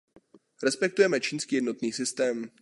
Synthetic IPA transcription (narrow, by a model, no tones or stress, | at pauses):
ɾɛspɛk̚t̪ujɛmɛt͡ʃiːnskiːjɛdno̞t̪niːsɪst̪ɛːm